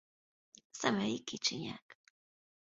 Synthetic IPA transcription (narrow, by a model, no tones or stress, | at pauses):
samajkɪt͡ʃɪɲa̰k